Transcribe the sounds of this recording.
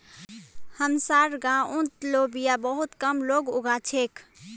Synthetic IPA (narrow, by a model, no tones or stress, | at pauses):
həmsaːɾɡãũt̪lobijabəɦut̪kəmloːɡʊɡʱat͡ʃʰeːk